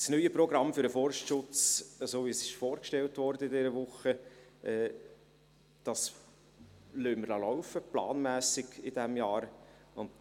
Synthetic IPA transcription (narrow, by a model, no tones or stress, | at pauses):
snyjəprɔɡɾɑmfʏɾəfɔrʃtʃʊt͡səsoːvisɪ̥ʃfoːɾkʃtɛltʋɔɾdəɪdɛɾəʋʊχəʔɛː | d̥ɑs | lyːmːəɾlɑlɔʊfəplɑ̰ːnmæːsɪɡ̥ɪd̥æmjɑːɾ | ʊnd